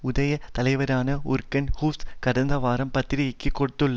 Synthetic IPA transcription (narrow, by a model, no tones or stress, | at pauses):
ʊðɐjɐt̪ɐlɐɪʋɐɾaːnɐʊɾkːɐnhuːfskɐɽɐnd̪ɐʋaːɾɐmpɐt̪ːɪɾɪjɐkːɯkːɔɽɯt̪ːɯɭːɐ